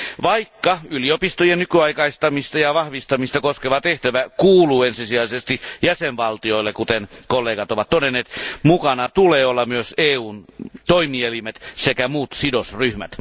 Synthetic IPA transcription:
ʋɑikːɑyliopist̪ojenykyɑikɑist̪ɑmist̪ɑjɑʋɑhʋist̪ɑmist̪ɑkoskeʋɑt̪eht̪æʋækuːluːensisiɑisest̪ijæsenʋɑlt̪ioilːekut̪enkolːeːɡɑt̪oʋɑt̪todenːeːt̪mukɑnɑt̪uleːolːɑmyøseːuːnt̪oimielimet̪sekæmuːt̪sidosryhmæ̰t̪

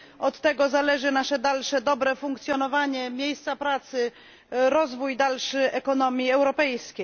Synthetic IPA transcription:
ɔt̪ːɛɡɔzalɛʐɘnaʂɛd̪alʂɛd̪ɔbɾɛfuŋkt̪sʲjɔnɔvaɲɛmʲjejst̪sapɾat̪sɘ | ɾɔzvujd̪alʂɘɛkɔnɔmʲjiɛwɾɔpɛjskʲej

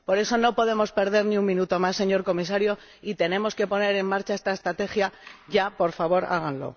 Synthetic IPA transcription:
po̞ɾe̞so̞no̞po̞ðe̞mo̞spe̞ɾðe̞ɾniuŋmĩnut̪o̞masːe̞ɲo̞ɾko̞mis̬aɾjo̞ | it̪e̞nẽ̞mo̞ske̞po̞ne̞ɾe̞mmaɾt͡ʃaest̪ae̞st̪ɾat̪e̞xjaʝapo̞ɾfaβo̞ɾa̰ɣ̞anlo̞̰

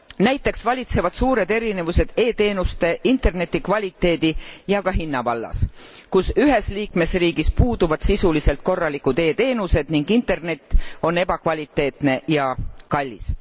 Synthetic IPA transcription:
næjt̪ːˑe̞ksvɑlʲit̪se̞vɑd̪̥suːɾe̞d̪e̞ɾine̞vuse̞d̪̥e̞ːt̪e̞ːnust̪e̞ʔint̪e̞rne̞t̪ːˑikvɑlʲit̪ˑːe̞ːd̪̥ijɑkɑɦinːɑvɑlːɑ̰s | kusyɦe̞sliːkme̞sriːɡispuːd̪̥uvɑd̪̥sisulise̞lt̪̚ko̞rːɑlikːud̪e̞ːt̪e̞ːnuse̞d̪̥niŋɡ̥int̪ˑe̞rne̞t̪ˑːo̞ne̞b̥ɑkvɑlʲit̪ːˑe̞ːt̪ne̞jɑkɑlʲːis

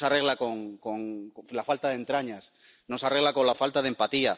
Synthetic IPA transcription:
sareɣ̞lakoŋkoŋlafalt̪aðe̞nt̪ɾaɲas | nosareɣlako̞nlafalt̪aðempat̪ia

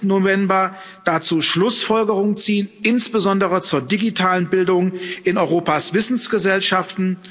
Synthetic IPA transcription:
n̩ːovɛmbɐ | d̥at͡suːʃlʊsfɔlɡəʁʊŋənt͡siːənʔɪnsb̥əzɔndəʁət͡suːɐdiɡitʰaːlənbɪldʊŋʔɪnɔʏʁoːpaːsv̥ɪsn̩sɡ̥əzɛlʃaftn̩

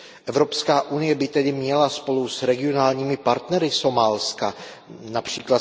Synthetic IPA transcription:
ʔɛvɾo̞pskaːʔunɪjɛbɪt̪ɛdɪmɲɛlaspo̞lusɾɛɡɪo̞naːlɲiːmɪpaɾt̪nɛɾɪso̞maːlska | napr̝̥iːkla

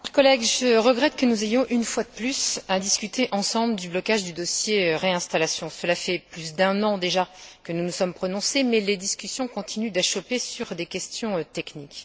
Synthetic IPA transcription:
ɛʁkɔlɛɡʒəʁəɡʁɛt̪̚kənuzejɔ̃ʔynfwad̪əplysad̪iskʲyt̪ʰeʔɑ̃sɑ̃bləd̪yblɔkaʒd̪yd̪ɔsjeʁeɛ̃st̪alasjɔ̃səlafɛplysd̪ɛ̃nɑ̃d̪eʒakənunusɔmpχɔnɔ̃semɛled̪iskʲysjɔ̃kɔ̃t̪ʰinyd̪ɛʃɔpesyʁd̪ekʲɛst̪jɔ̃t̪ɛknik

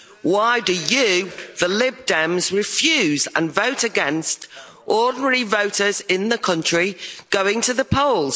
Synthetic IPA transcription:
waɪdɨjəðəlɪb̚dɛ̃mzɹɪfjʉːzə̰̃nvoʊtəɡɛ̃nst | ʔɔːdⁿn̩əɹivoʊtəzɪ̃nðəkʰʌ̃nt͡ʃɹ̥iɡ̥oʊɪ̃ŋtʰəðəpʰoʊlˠz̥

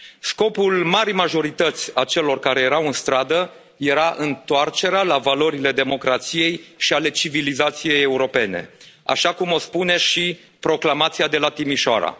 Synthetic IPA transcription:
sko̞pulmaɾijmaʒo̞ɾit̪ət̪sʲat͡ʃe̞lo̞rkaɾe̞je̞ɾawɨnst̪ɾad̪ə | je̞ɾaʔɨnt̪oart͡ʃe̞ɾealavalo̞ɾile̞d̪e̞mo̞kɾat̪sije̞jʃiale̞t͡ʃivilizat̪sije̞je̞uɾo̞pe̞ne̞̰a̰ʃakumo̞spune̞ʃi | pɾo̞klamat̪siad̪e̞lat̪imiʃoa̰ɾa̰

